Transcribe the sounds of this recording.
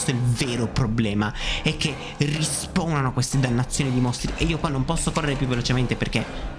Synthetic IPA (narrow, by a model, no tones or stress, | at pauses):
st̪oilveːɾopɾoblɛːmaɛkːe | rispoːnanoakwest̪ed̪anːat̪sːjoːnid̪imost̪ɾiʔeiːokwanːompɔsːokorːeɾepjuvːelot͡ʃement̪eperke